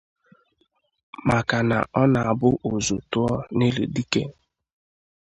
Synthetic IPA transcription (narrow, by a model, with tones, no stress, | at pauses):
ma˨ka˨na̰˨ʔɔ˦na˨a˨bʊ˦ʔo˨zo˨tʊ˦ɔ˦ne˦lḛ˨di˦ke˦